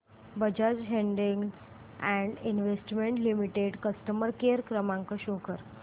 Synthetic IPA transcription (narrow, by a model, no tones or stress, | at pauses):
bəd͡ʑad͡zɦeɳɖĩŋɡ | ɛ̃ɳɖinʋesʈmẽɳʈlimiʈeɖkəsʈəməɾkeɾkɾəmãŋkəɕokəɾ